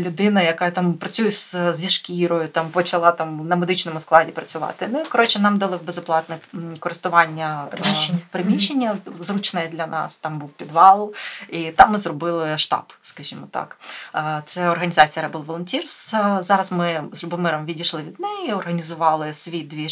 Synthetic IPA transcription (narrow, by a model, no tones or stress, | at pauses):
lʲʊd̪ɪnɐjɐkɑt̪ɑmpɾɐt͡sʲujɛszʲiʃkʲiɾɔjʊt̪ɑmpɔt͡ʃɐlˠɑt̪ɑmnɐmed̪ɪt͡ʃnɔmʊsklˠɑdʲipɾɐt͡sʲʊʋɑ̰t̪ɪnʊikɔɾɔt͡ʃɪnɑmd̪ɐlˠɪwbezɔplˠɑt̪nɛkɔɾɪst̪ʊʋɑnʲːɐ | pɾɪmʲiʃenʲːɐzrut͡ʃnɐjɛd̪lʲɐnʔɑ̰st̪ɑmbuwpʲid̪ʋɑlˠʊit̪ɑmːɪzrɔbɪlˠɪʃt̪ɑ̰pskɐʒʲimɔt̪ɑ̰kːt̪sɛɔrɦɐnʲɪzɑt͡sʲijɐɾɛbɪlˠʋɔlˠɔnʲtʲirszɑɾɐzmɪzlʲʊbɔmɛɾɐmʋʲidʲiʃlˠɪʋʲid̪nɛjiɔrɦɐnʲizʊʋɑlˠɪsʲʋʲid̪ʋʲi